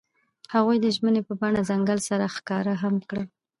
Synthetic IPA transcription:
haɣujd̪əʒmənepəbɑɳazaŋɡalsaɾaxkɑɾaɦamkɽə

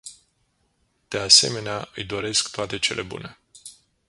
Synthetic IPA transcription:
d̪̥e̞ase̞̰me̞neaɨjd̪o̞ɾe̞skt̪oat̪e̞t͡ʃe̞lʔe̞bṵne̞

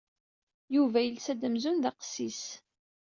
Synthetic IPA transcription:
juvæjəlsæd̪əmzunðɑqsːis

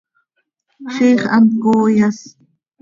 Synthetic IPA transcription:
ʃiχa̰nkoːjas

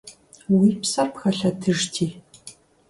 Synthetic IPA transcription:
wiːpsɐrpxɐɬɐdʰɨʐtʰiː

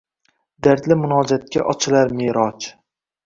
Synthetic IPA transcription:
d̪aɾd̪lɪmʊnɒːd͡ʒat̪̚kʲa̰ʔɒt͡ʃʰɪlaɾmeːɾɒt͡ʃ

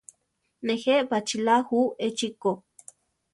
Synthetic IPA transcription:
neheʔpat͡ʃilahuet͡ʃiko

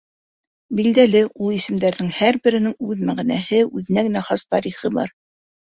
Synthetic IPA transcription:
bild̪ælɘʔulˠisɘ̆md̪æɾðɘŋhæɾbɘ̆ɾɘ̆nɘŋʉðmæʁænæhɘʉðɘ̆næɡɘ̆næχɑst̪ɑɾiχɤbɑ̰ɾ

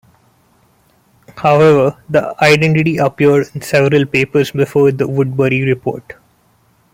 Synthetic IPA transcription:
haʊɛʋəɾd̪əaɪɖɛ̃ɳʈɪʈiəpjəɾɖɪ̃nsɛʋəɾəlpeːpəɾsbɪfoːɾd̪əʋʊɖ̚bəɾiɾɪpo̰ːɾʈ

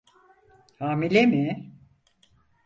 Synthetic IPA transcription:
haːmilʲemi

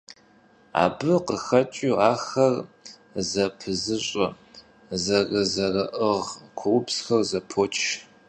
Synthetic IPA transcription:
a̰ːbɨqəxɐt͡ʃʼiaːxɐr | zɐpʰɨzɨɕʼɐ | zɐrɨzɐrɐʔəʁkʷʰʊwʊpsxɐrzɐpʰoːt͡ʃʰ

